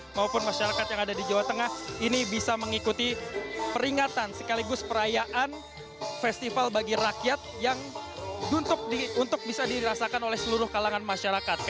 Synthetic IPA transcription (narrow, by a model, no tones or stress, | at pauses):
maupʊnmaʃaɾakat̪jaŋadadid͡ʒawat̪əŋahinibisaməŋikut̪ipəɾiŋat̪ansə̥kaliɡʊspəɾajaʔan | fɛst̪ifalbaɡiɾakjat̪̚jaŋdunt̪ʊk̚diunt̪ʊk̚bisadiɾasakanolɛhsəluɾʊhkalaŋanmaʃaɾakat̪̚k